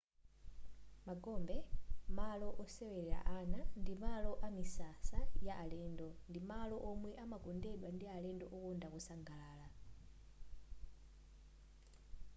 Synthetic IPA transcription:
maɡɔmbɛmalɔʔɔsɛwɛɾɛɾa̰ʔanandimalɔʔamisasajaʔalɛndɔndimalɔʔɔmwɛʔamakɔndɛɗwandialɛndɔʔɔkɔndakɔsaŋɡalaːla

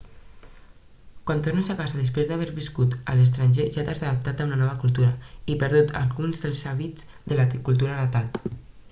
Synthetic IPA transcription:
kwant̪ornəzakazaðəspɾezd̪aβeɾβiskut̪ə̰ləs̬t̪ɾanʲʒeʒat̪azaðap̚t̪at̪aunanɔβ̞əkulˠt̪uɾaipəɾðut̪ʰa̰lɣunzðəlˠzaβiz̥ | ðəlat̪ikulˠt̪uɾənat̪al

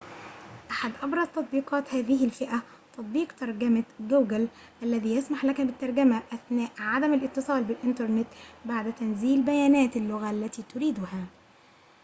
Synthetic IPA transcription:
ʔaħad̪ʔɑbɾˤɑzˤt̪ɑt̪̚ˤbiːqɑːt̪hæːðɪɦɪlfɪʔæ | t̪ɑt̪ˤbiːqt̪ɑɾˤɡæmaɡoːɡæl | ʔælːæðiːjæsmaħlækæbɪt̪ːɑɾˤɡæmæʔæθnæːʔʕad̪æmalʔɪt̪ːɨsˤɑːlbɪlʔɪnt̪ɑɾˤnɪt̪baʕd̪t̪ænziːlbæjæːnæːt̪ɪlːʊɣæʔlːæt̪iːt̪ʊɾiːd̪ʊhæ

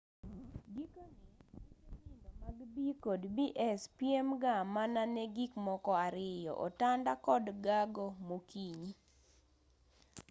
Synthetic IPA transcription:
ɡikoninindomaɡbikodbiʔɛspjemɡamananɛɡikmɔkɔaɾɪjɔ̰ʔɔ̰tandakɔdɡaɡomokiɲi

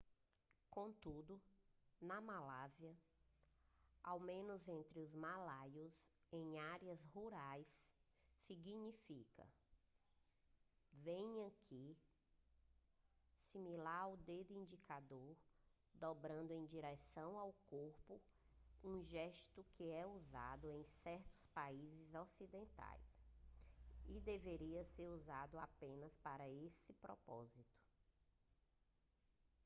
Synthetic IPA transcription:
kõt̪ud̪ʊnɐmalaziɐ | awmẽnʊzẽnt̪ɾɪʊzmalajʊz | ẽj̃aɾiɐzhuɾajsː | iɡiɲifikɐ̰ | vẽj̃ɐkʰi | similaɾwd̪ed̪ĩd͡ʒikʰad̪oɾ | d̪ɔbɾɐ̃nd̪ʊẽj̃d͡ʒiɾɛsɐ̃w̃awkoɾpʊ | ũʒɛʃt̪ʊkɪɛuza̰d̪ʊẽj̃sɛɾt̪ʊ̥spaizɪzɔsid̪ẽnt̪a̰js | id̪eveɾiɐseɾuzad̪ʊapẽnɐspaɾɐesɪpɾɔpɔ̰zit̪ʊ̥

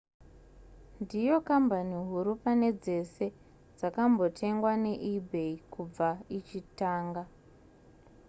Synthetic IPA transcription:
ndijo̞kambaniɦuɾupane̞d͡ze̞se̞ | d͡zakambo̞tʰe̞ŋɡwane̞ʔibʱe̞ikub͡vait͡ʃitaːŋɡa

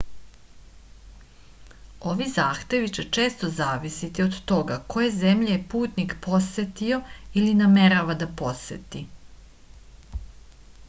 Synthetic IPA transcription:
o̞ʋizaːxt̪e̞ʋit͡ɕet͡ʃe̞ːst̪o̞zaːʋisit̪iod̪t̪o̞ɡako̞je̞ze̞mʎeepuːt̪nikpo̞set̪io̞iliname̞ɾaʋad̪apo̞sḛt̪i

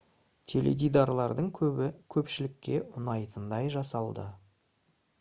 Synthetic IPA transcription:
t̪ʲʰe̞lḛd̪ijd̪ɑɾlˠɑɾd̪əɴkʲʰɵbɪkʲʰɵpʃɪlɪkʲːe̞ʔʊnɑjt̪ənd̪ɑjʒɑsɑlˠd̪ə

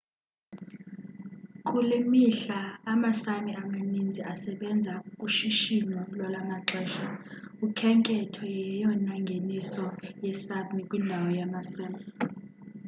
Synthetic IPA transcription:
kʼulimiɬaːmasamiamanind͡zʱiʔasɛɓɛnd͡zʱakʼuʃiʃinɔlwalamaǁɛːʃaukʰɛŋkʼɛtʰɔjɛjɔnaŋɡʱenisɔjɛsamikʼwindʱawɔjamasaːmi

